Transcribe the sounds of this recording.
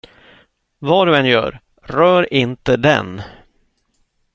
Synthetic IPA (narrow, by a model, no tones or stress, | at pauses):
vɑːɖɵɛnjœ̰ːɾ | ɾœːɾɪnt̪əd̪ɛ̰n